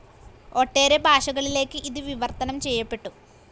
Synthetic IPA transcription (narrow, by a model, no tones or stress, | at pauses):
o̞ʈːe̞ːɾebʱaːʂɐɣɐɭile̞ːkːɨʔiðɨʋiʋɐrt̪ɐnɐmt͡ɕe̞jːɐpːe̞ʈːu